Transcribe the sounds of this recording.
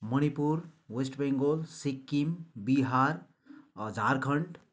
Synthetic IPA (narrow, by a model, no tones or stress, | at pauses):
məñipuɾwesʈbeŋɡolsikːimbiɦaɾ | əd͡ʒaɾkʰəɳʈ